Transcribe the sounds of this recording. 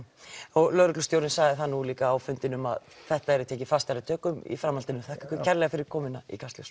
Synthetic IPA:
ɔɣlœːðɾʏklʏst̪jowɾɪnsaːɣðɪθanːuliːkaːwfʏnt̪ɪnʏma̰ð | θɛht̪aɛɾɪt̪ʰɛːcɪfast̪aɾɪt̪ʰœːkʏmḭfɾamhalt̪ɪnʏmθahkḁkɪcʰɛɾlɛɣafɪɾɪɾkʰɔːmɪnːaḭkʰast̪ɛs

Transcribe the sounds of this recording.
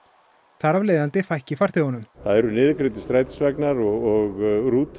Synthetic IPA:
θaɾavleːjðant̪ɪfajhcɪfaɾ̥θɪɔnʏmθaðɛɾʏnɪːðkɾɪt̪ɪst̪ɾaːjt̪ɪ̥svɛknaɾɔɣɔɣruːt̪

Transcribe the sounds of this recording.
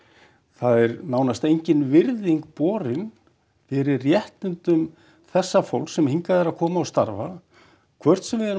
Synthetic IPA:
θaðɛɾnaːwnast̪ejɲcɪnvɪɾðiŋk̚pɔːɾɪn | fɪɾɪrjɛht̪ʏnt̪ʏm | θɛsːafowlksɛmhiŋkaðɛɾaðkʰɔːmaɔst̪aɾva | kʰvœr̥t̪sɛmvɪɛɾ

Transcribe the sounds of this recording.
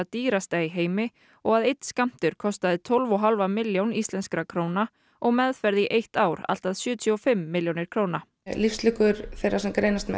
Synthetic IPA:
ðt̪iːɾast̪ajɦeːjmɪ | ɔɣaðejt̪skam̥t̪ʏɾ̥kʰɔst̪aðɪt̪ʰɔlvɔɦalvamɪljownist̪lɛnskɾakʰɾoːwna | ɔɣmɛðfɛɾðɪʔejht̪aːwɾa̰l̥t̪aðsjʏːt̪ʰiɔfɪmːɪljownɪɾ̥kʰɾoːwna | lifslʏkʏɾ̥θeɾːasɛmkɾejnast̪mɛ̰

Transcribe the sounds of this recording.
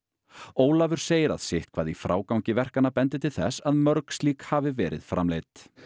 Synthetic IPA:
oːwlavʏɾ̥seːjɪɾa̰ðsɪht̪̚kʰvaːðifɾa̰ːwkawɲcɪvɛr̥kanapɛnt̪ɪt̪ʰɪlθɛsːaðmœɾkst̪liːkhaːvɪvɛ̰ːɾɪ̰ðfɾa̰mlejt̪

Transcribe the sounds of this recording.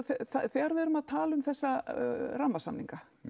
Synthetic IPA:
θɛθaθɛːɣaɾvɛɾʏmaðt̪ʰaːlʏmθɛsːaramːasamnḭŋka

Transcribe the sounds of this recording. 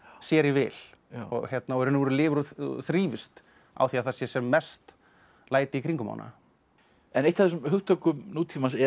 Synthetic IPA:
sjɛːɾɪvɪ̰ːl̥ɔçjɛt̪naɔɛɾʏnːʏvɾlɪːvʏɾɔ̰θɾiːvɪst̪ | a̰wθiːaθasjɛ̥sɛmːɛst̪ | laːjt̪ɪikʰɾiŋkʏma̰wna̰ | ɛnejt̪aðɪsmhʏxt̪ɔkʏmnuːt̪ʰimasɛ

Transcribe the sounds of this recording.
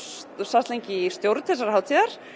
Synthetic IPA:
sast̪lejɲcɪst̪jowɾt̪θɛsːaɾ̥haːwt̪ʰiɣaɾ̥

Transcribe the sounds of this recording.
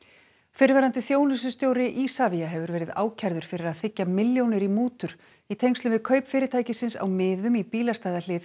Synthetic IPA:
fɪɾvɛːɾant̪ɪθjoːwnɪs̬ʏst̪joːwɾɪʔiːsaviaɦɛvʏɾvɛːɾɪða̰ːwcʰajɾðʏɾ̥fɪɾɪɾaðθɪcːamɪljownɪɾimuːt̪ʏɾ̥ | it̪ʰejŋst̪lʏmvɪðkʰœɥpfɪːɾɪt̪ʰaːjcɪsɪnsa̰wmɪːðʏmipiːlast̪ajðalɪːv

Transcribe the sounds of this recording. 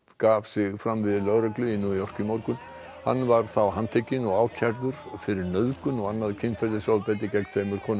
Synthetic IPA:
kaːvsɪɣfɾamvɪðlœɣɾœklʏɪnːʏiɔr̥cʏmɔwɾkʏn | ha̰nːvaɾ̥θawɦant̪ʰecɪnɔɣaːwcʰaɾðʏɾ̥fɪɾɪɾnœðkʏnɔɣanːaðcʰɪnfɛɾt̪ɪsaːwpɛːt̪̬ɪcɛknt̪ʰfejmʏɾ̥kʰɔːn

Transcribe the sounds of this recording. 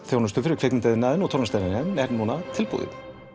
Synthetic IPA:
θjownʏst̪ʏfɪɾɪkʰvɛknɪnt̪ɛðɪnːaːðɪnɔɣt̪ʰɔwɾnast̪aɪnaðɪnɛɾnunat̪ʰɪlpṵðɪ̰

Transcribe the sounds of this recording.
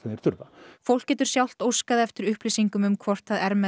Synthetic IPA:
ɛnɛɾ̥t̪ʰʏɾvafowl̥cːɛːt̪ʏɾ̥sjawl̥t̪owskaðɪɛft̪ɪɾʏhplisiŋkʏmʏmkʰvɔr̥t̪aðɛɾmɛ

